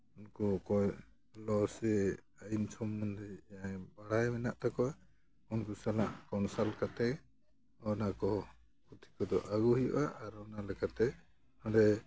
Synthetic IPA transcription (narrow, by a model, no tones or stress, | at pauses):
unkukɔj | lɔsɛ | aint͡ʃʰɔmːɔnd̪ɛaŋbaɽajmɛnaʔt̪akɔa | unkusalaʔkɔnsalkat̪ɛ | ɔnakɔ | kut̪ʰi̥kɔd̪ɔ̰ʔaɡuɦijɔ̰ʔaʔːɾɔnalɛkat̪ɛ | hɔɖɛ